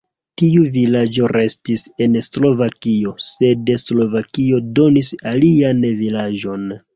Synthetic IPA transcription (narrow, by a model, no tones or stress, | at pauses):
tiuvilad͡ʒo̞ɾe̞stise̞nslo̞vakio̞se̞deslo̞vakio̞do̞nisalianvilad͡ʒo̞n